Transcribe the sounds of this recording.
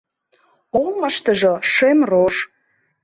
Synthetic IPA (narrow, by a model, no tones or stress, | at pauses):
olˠmɑʃt̪ə̆ʒoʃemroʃ